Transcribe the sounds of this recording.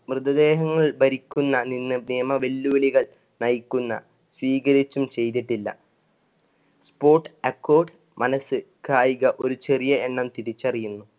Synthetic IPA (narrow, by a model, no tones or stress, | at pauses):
mrɨd̪ɐd̪e̞ːɦɐŋːɐɭbɐɾikʲːunːɐninːɨnijɐmɐʋe̞lːuʋɐliɣɐɭ | nɐjkʲːunːɐ̰ | sʋiːɣɐɾit͡ɕːumt͡ɕe̞jt̪̬iʈːilːɐ̰ | spo̞ːrʈːɨ̥ɐkːo̞ːɖ | mʔɐnɐsɨ | kʰaːjiɣɐʔo̞ɾut͡ɕe̞rijɐeɳːɐmt̪iɽit͡ɕːɐrijunːu